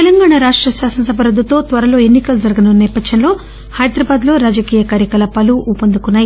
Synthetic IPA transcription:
t̪elɐŋɡaːɳaɾaːʂʈɾɐʃaːsɐnɐsɐbʱɐɾɐd̪ːut̪o̞ːt̪ʋɐɾɐlo̞ːe̞nːikɐlud͡ʒɐɾɐɡɐnunːɐnɛːpɐd̪jɐnlo̞ː | hɐjd̪ɾɐbaːd̪lo̞ːɾaːd͡ʒɐkiːjɐkaːɾjɐkɐlɐpɐluʔupɐnd̪ukunːaːji

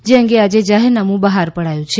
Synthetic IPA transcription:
d͡ʒeəŋɡead͡ʒed͡ʒaɦeɾnamũbəɦaɾpəɽajũt͡ʃʰe

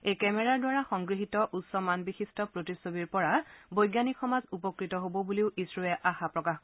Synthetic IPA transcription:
ejkɛmɛɹaɹdwaɹaxɔŋɡɹiɦitɔʔutsɔmanbixistɔpɹotisobiɹpɔɹabojɡjanikxɔmazupɔkɹitɔɦobɔbuliʊʔisɹuɛʔaxapɹɔkax

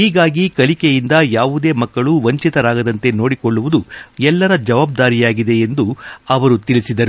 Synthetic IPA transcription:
iːɡaːɡikɐlikejind̪ɐjaːʋud̪e̞ːmɐkːɐɭuʋɐɲt͡ʃit̪ɐɾaːɡɐd̪ɐnt̪e̞no̞ːɽikoɭːuʋud̪uɛlːɐɾɐd͡ʒɐʋaːb̚d̪aːɾijaːɡid̪e̞end̪uɐʋɐɾut̪iɭisid̪ɐɾu

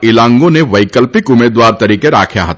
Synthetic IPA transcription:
ɪlãːŋɡõneʋɐɪkəlpɪkʊmeːd̪waːɾt̪ɐɾiːkeɾa̰ːkʰja̰ɦɐt̪a

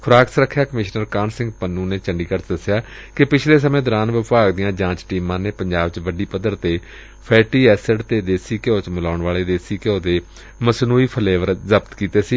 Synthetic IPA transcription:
kʰʊɾaːksɾəkʰːjaːkəmɪʃnəɾkaːnsɪ̃ŋɡpənːuːneːt͡ʃəɳɖiːkəɾt̪d̪əsjaː | kɪpɪt͡ʃʰleːs̬əmẽːd̪oːɾaːnʋɪpaːɡd̪ɪjãːd͡ʒãːt͡ʃʈiːmãːneːpəɲd͡ʒaːbt͡ʃʋəɖiːpəd̪əɾt̪eː | pʰɛːʈiːɛːsəɖt̪eːd̪eːsiːkeoːt͡ʃmʊlaːʊɳʋaːleːd̪eːsiːkeoːd̪eː | məsnuːiːpʰəleːʋəɾzəbt̪kiːt̪eːsiː

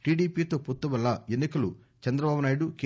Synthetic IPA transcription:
ʈiːɖiːpiːt̪o̞ːpot̪ːuʋɐlːɐenːikɐlu | t͡ʃɐnd̪ɾɐbaːbunaːjiɽuke

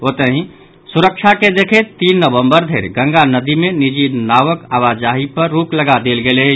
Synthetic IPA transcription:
ot̪əɦĩ | suɾəkʃʰaked̪ekʰet̪iːnːəbə̃mbəɾd̪ʱeːɾɡə̃ŋɡanəd̪imenid͡ʒinaʋəkaʋad͡ʒaɦipəɾːukləɡad̪elɡele

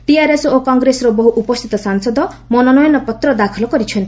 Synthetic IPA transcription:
ʈiaɾesokɔŋɡɾesɔɾɔbɔɦuʔupɔst̪ʰit̪ɔsaŋsɔd̪ɔmɔnɔnɔjɔnɔpɔt̪ɾɔd̪akʰɔlɔkɔɾit͡ʃʰɔnt̪

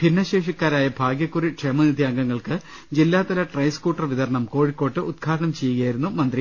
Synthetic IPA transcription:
pinːɐɕe̞ːʂikːaːɾaːjɐbʱaːɡjɐkːuriʈʂemɐnid̪ʱjaːŋɡɐŋːɐɭkɨ | d͡ʑilːaːt̪ːɐlɐʈrɐjskuːʈːɐrʋiðɐɾɐɳɐmko̞ːɻikːo̞ːʈːɨʔud̪̚kʰaːɾɐɳɐmt͡ɕe̞jːuɣɐjaːjiɾunːumɐnd̪ri

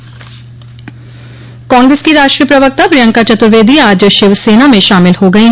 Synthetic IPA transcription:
kãːŋɡɾeskiɾaːʃʈɾijəpɾɐʋək̚t̪apɾɪjə̃ŋkat͡ʃɐt̪ʊɾʋeːd̪ʱiaːd͡ʒʃɪʋseːnamẽʃaːmɪlhoɡɐiɦ

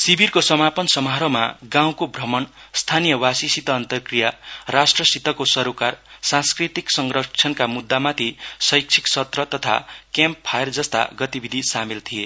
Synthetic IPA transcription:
sibʱirkosʌmapʌnsʌmɦaɾʌma̰ɡãw̃kobʱrʌmʌnst̪ʰanijʌwasisit̪ʌːnt̪ʌrkrijarasʈrʌsit̪ʌkosʌɾokarsãnskrit̪iksʌŋɡrʌt͡sʰʌnkamud̪ːamat̪ʰisʌjk̚t͡sʰi̥ksʌt̪rʌt̪ʌt̪ʰa̰kamppʰːajerd͡zʌst̪a̰ɡʌt̪ibʱid̪ʱisamilt̪ʰije

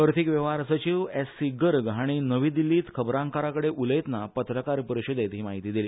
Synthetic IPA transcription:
əɾt̪ʰikʋəʋaɾsət͡ɕiʋesiɡəɾɡaɽ̃inəʋiːd̪ilːiːt̪kʰəbɾãŋkaɾakəɽeʔuləjt̪napət̪ɾəkaɾpəɾuɕud̪jet̪ɦiːmaɦit̪iːd̪iliː

